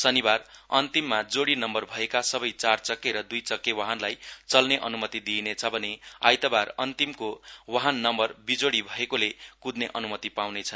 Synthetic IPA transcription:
sʌnibarʌnt̪imːad͡zoɽinʌmbʌrbʱʌekasʌbʌjt͡sart͡sʌkːeɾʌd̪ujt͡sʌkːewaɦanlajt͡sʌlneʔʌnumʌt̪id̪inet͡sʰʌbʱʌnea̰jt̪ʌbarʌnt̪imkowaɦanːʌmbʌrbid͡zoɽibʱʌekolekud̪neʔʌnumʌt̪ipawnet͡sʰʌn

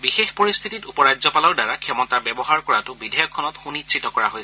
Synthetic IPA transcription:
bixexpɔɹist̪ʰititupɔɹad͡ʒzɔpalɔɹdaɹakʰɛmɔtabɛbɔɦaɹkɔɹatʊbidʱɛjɔkʰːɔnɔtxunisʰitɔkɔɹaɦojsɛ

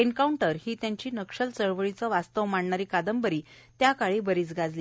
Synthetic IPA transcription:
eɳkauɳʈəɾhiːt̪jaɲt͡ɕiːnəkʂəlt͡səɭʋəɭit͡səʋast̪əʋmaɳɳaɾiːkad̪əmbəɾiː | t̪jakaɭiːbəɾiːt͡sɡad͡zliː

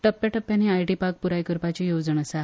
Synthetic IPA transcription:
ʈəpːjaʈəpːjaniajʈipaɾk̚puɾajkəɾpat͡ɕijod͡zəɳəsa

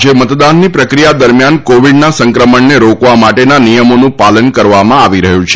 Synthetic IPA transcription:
d͡ʒemət̪d̪anːipɾəkɾijad̪əɾmjankoʋiɖnasə̃ŋkɾəməɳneɾokʋamaʈenanijəmonũpalənkəɾʋamãaʋiɾəɦũt͡ʃʰe̥

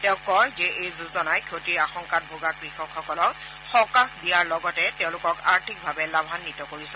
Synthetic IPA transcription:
tɛʊ̃kːɔjzɛejzuzɔnajkʰotiɹaxɔŋkat̚bʱoɡakɹixɔkʰxɔkɔlɔk | xɔkaxdijaɹlɔɡɔtɛtɛʊ̃lʊkɔka̰ɹtʰik̚bʱabɛlabʱanːitɔkoɹisɛ

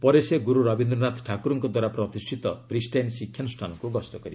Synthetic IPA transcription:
pɔɾeseɡuɾuɾɔbʱind̪ɾɔnat̪ʈʰakuɾɔŋkɔd̪waɾapɾɔt̪isʈʰit̪ɔbɾisʈajnsikʰːjanusʈʰanɔŋkuɡɔst̪ɔkɔɾib

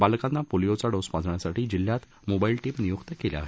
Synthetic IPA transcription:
balkanːapolijot͡saɽospãd͡zʱɳjasaʈiːd͡ʑiljat̪ | mobailʈiːmnijukt̪əkelja̰ɦe

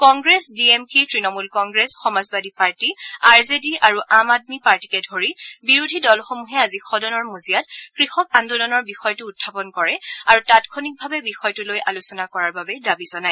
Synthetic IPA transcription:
kɔŋɡɹesdiemkitɹinɔmulkɔŋɡɹesxɔmazbadʱipaɹtiaɹzediʔaɹuʔamad̚mipaɹti̥kɛdʱoɹibiɹudʱidɔlxomuɦɛazixʰɔdɔnɔɹmozijatkɹixɔkandodɔnɔɹbixɔjtʊːt̚ʰːapɔnkɔɹɛaɹutatkʰonik̚bʱabɛbixɔjtʊlojʔalusɔnakɔɹaɹbabɛdabizɔnaj

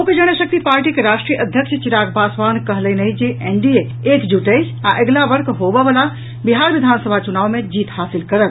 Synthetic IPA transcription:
uked͡ʒəɽ̃əʃək̚t̪ipaːɾʈikeɾaːʃʈɾijəʔəd̪ʱjəkʃʰt͡ʃɪɾaːkʰbaːsʋaːnkəɦləinəĩd͡ʒeʔeɳɖie | eːkd͡ʒuʈəsaʔəɡlaʋəɾkʰɦoʋəʋəla | biɦaːɾʋɪd̪ʱaːnsəbʱat͡ʃunaːʋmẽd͡ʒiːt̪haːsɪlkɐɾət̪

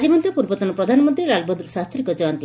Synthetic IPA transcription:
d̪ʱimɔnd̪ʱjɔpuɾbɔt̪ɔnɔpɾɔd̪ʱanɔmɔnt̪ɾiɾalbɔd̪ɾsast̪ɾikɔd͡ʒɔwant̪i

